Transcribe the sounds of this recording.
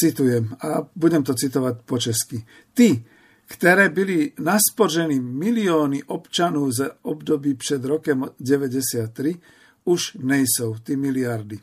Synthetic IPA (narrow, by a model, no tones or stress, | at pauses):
t͡sit̪ujɛmabuɟɛmt̪ɔt͡sit̪ɔʋacpɔt͡ʃɛski | t̪i | kt̪ɛɾɛːbilinaspɔɾʒɛnimiliɔːniʔɔpt͡ʃanɔʊzaɔbd̪ɔbiːpʃɛd̪ɾɔkɛmɟɛʋɛɟɛsɪat̪ːɾi | uʒɲɛjsɔʊt̪imiliaɾd̪i